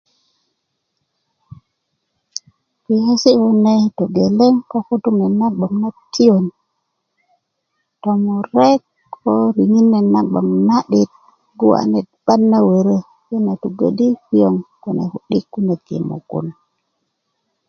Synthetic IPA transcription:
ki˨he˦si˦hu˦ne˦˨to˨ɡe˨le˦ŋko˦ku˦tu˦ŋe˨na˦ɓa˨mna˦tːi˦o˨n | to˨mo˨ɾe˦kʰ | o˦ɾi˨ŋi˦nːe˨na˦ɡ͡ba̰˨ŋna˦ɗi˦t̚ | ɡu˦wa̰˨ne˨t̚b̥a˦nːa˦we˨ɾe˦ | je˦na˨tu˨ɡḛ˦ɗi˦ki˦jo˦ŋku˨nḛ˨ku˨ɗi˦kːu˦ne˨kḛ˨mo̰˨ɡṵ˦n

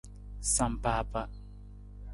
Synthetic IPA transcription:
sa˨m˨paː˦pa˦

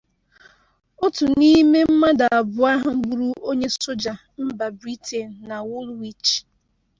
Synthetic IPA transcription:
ʊ˦tʊ˨ni˦me˦m̩˦ma˦da˨a˨bʊ˨a˦ɦa˦m̩˦ɡ͡bu˦ɾu˦ʔo˦ɲe˦so˦d͡ʒa˨ | m̩˦ba˨bɾi˦tʰe˨n̩˨na˨wʊ˦lwi˦t͡ʃ

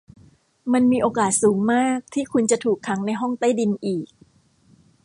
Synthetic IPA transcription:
ma˧nmiː˧ʔoː˧kaː˨˩t̪̚suː˩˦ŋmaː˥˩k̚t̪ʰiː˥˩kʰu˧nt͡ɕa˨˩t̪ʰuː˨˩kʰːa˩˦ŋna˧jɦɔ˥˩ŋt̪a˥˩jdi˧nʔiː˨˩k̚

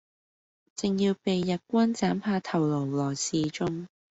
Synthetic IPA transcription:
t͡sɪ˨ŋjiː˧wpe˨jːɐ˨t̚kʷɐ˥nt͡saː˨˥mpʰaː˧t̪ʰɐ˨˩wlo˨˩wlɔː˨˩siː˨˧t͡ʃʊ˥ŋ

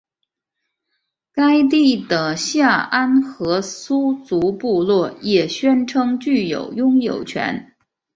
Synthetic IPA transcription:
ka˥ɪt̪̬i˥˩d̪ə˩ɕja˥˩ʔa˥nxɤ˧˥su˥t͡su˧˥pu˥˧lwɔ˥˩jɛ˨˩ɕɥɛ˥nʈ͡ʂʰɤ˥ŋt͡ɕy˥˩jo̰˨˩ʊjʊ˥ŋjo˨˩ʊt͡ɕʰɥɛ̰˧˥n

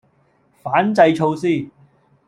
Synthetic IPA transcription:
faː˨˥nt͡sɐ˧jt͡ʃʰo˧wsiː˥˩

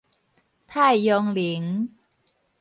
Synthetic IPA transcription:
t̪ʰaː˥˩jːɔ˧ŋli˨˦ŋ

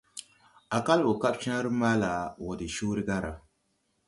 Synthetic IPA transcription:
a˨ka˦lo˨ka˦bt͡ʃa˦n˦ɾɨ˦maː˦la˨wɔ˨dɨ˨ʃoː˦ɾɨ˦ɡa˦ɾa˨

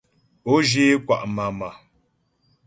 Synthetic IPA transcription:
o˦d͡ʒe˦kwa˨ʔma˨ma˨

